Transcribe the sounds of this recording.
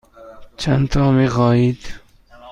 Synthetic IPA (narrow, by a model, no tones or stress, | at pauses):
t͡ʃʰænt̪ʰɒːmiːxɒːjiːd̪̥